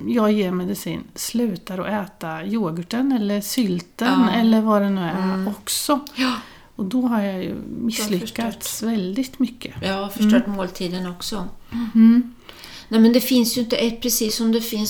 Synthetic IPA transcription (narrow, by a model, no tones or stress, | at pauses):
jɑːɡjeːɾmɛd̪ɪsḭːnslʉ̟ːt̪aɾɔ̰ʔɛːt̪ajoːɡəʈənɛlːəɾʂʏlt̪ənɛlːəɾvad̪ɛnʉ̟ːɛɔksɔ | ɔd̪ɔɦaɾjɑjɵ̰mɪsːlʏkːat̪ssvɛld̪ɪt̪mʏkʰːəjɑafœʂɔʈːmoːlt̪ʰiːd̪ənɔksɔ | nɛmɛnd̪ɛfɪnsjɵɪnt̪əɛt̪̚ːpʰɾɛsiːsːɔmd̪ɛfɪns